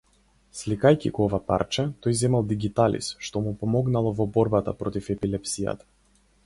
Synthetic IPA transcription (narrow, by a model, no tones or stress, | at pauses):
slikajcḭɡɔɔvapa̰ɾt͡ʃat̪ɔjzɛmalˠd̪iɡit̪alḭsʃt̪ɔmupɔmɔɡnalˠɔvɔbɔɾbat̪a̰pɾɔt̪ifɛpilɛpsija̰t̪ḁ